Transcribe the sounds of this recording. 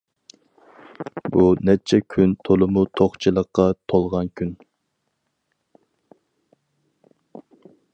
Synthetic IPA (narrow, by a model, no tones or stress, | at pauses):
bunɛt͡ʃʰɛkʲʰynt̪ʰolˠɨmut̪ʰoχt͡ʃʰɨlˠəqːɑt̪ʰolˠʁɑnkʲʰyn